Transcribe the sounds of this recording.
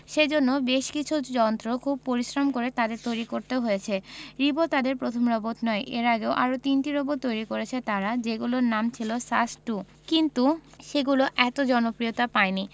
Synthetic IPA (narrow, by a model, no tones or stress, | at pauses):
ʃed͡ʑonːobeʃkit͡ɕʰud͡ʑɔnt̪ɾokʰub̚poɾiʃɾomkoɾet̪ad̪eɾt̪ojɾikoɾt̪eɦojet͡ɕʰeɾibot̪ad̪eɾpɾot̪ʰomɾɔbot̪nɔeʔeɾaɡeoʔa̰ɾot̪inʈiɾoboɾt̪ojɾikoɾet͡ɕʰet̪aɾad͡ʑeɡuloɾnamt͡ɕʰilosasʈu | kint̪uʃeɡuloʔɛt̪od͡ʑɔnopɾiot̪apaeni